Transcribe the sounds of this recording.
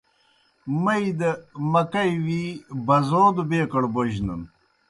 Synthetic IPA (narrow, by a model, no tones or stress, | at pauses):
mɐid̪ɐmɐkɐjwibɐzoːd̪ubeːkɐɽboʑnə̰n